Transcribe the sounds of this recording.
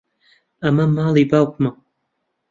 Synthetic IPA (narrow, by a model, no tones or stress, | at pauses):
ɐmɐmɑːlˠibaːwkmɐ